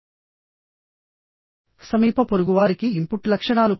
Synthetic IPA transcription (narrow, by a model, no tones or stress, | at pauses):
sɐmiːpɐpoɾuɡuʋaːɾikiːmpuʈlɐkʂɐɳaːlu